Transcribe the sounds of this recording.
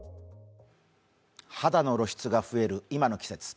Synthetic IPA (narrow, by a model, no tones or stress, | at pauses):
had̪ano̞ɾo̞ɕi̥t͡sɨɡaɸɯ̟e̞ɾɯ̟imano̞kʲi̥se̞t͡sɨ̥